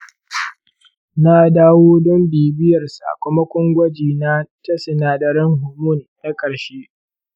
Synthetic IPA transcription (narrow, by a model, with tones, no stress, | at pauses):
na˦daː˦woː˦dɔ˦mbiː˨bɪ˦jɐ˨rsa̰˨kʷʊ˦ma˦kʷʊ˦ŋɡʷɐ˦d͡ʒiː˨na˦tɐ˦sɪ˨naː˨dɐ˨ɾɪ˦ŋɦʊ˨mʊ˦˨nɗɐ˦kʼɐ˨ɽʃeː˦